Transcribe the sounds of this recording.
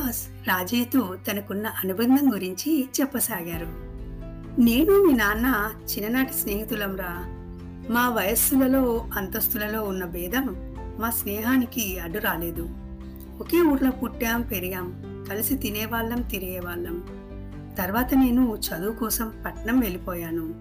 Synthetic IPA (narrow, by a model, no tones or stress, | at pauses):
aːs | ɾaːd͡ʒiːt̪ut̪ɐnɐkunːɐʔɐnubɐnd̪ʱɐmɡuɾiɲt͡ʃit͡ʃɛpːɐsaːɡaːɾu | ne̞ːnumiːnaːnːat͡ʃinːɐnaːʈi̥sneːɦit̪ulɐmɾaː | maːʋɐjɐsulɐlo̞ːɐnt̪ɐst̪ulɐlo̞ːunːɐbɛːd̪ʱɐmː | aːsnɛːɦaːnikiɐɖːuɾaːle̞ːd̪u | oke̞ːuːɾlɐpuʈːaːmpeɾiɡaːm | kɐlisit̪inɛːʋaːɭːɐmt̪iɾiɡɛːʋaːɭːɐm | t̪ɐɾʋaːt̪ɐne̞ːnut͡ʃɐd̪uːkɔːsɐmpɐʈɐɳɐmʋe̞lipɔːjaːnu